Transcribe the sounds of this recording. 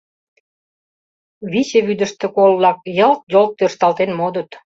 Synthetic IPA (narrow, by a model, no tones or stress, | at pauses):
βit͡ɕeβyd̪ə̆ʃt̪ĕkollɑk̚jəlt̪̚jolt̪ːørʃt̪ɑlt̪enmod̪ə̆t̪